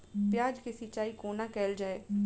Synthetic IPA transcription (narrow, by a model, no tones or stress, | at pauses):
pjaːd͡ʒkesit͡ʃaːiːkoːnaːkɛːld͡ʒaːeː